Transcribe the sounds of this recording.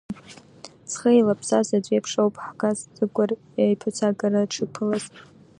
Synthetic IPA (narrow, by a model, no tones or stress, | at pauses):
sχəjlapʰsazad͡ʒʷʼepʰʂowpʰʼħkʰazzɨɡʷʼar | ajpʰat͡sʰaɡʼaɾaʈ͡ʂʰɨpʰɨlaz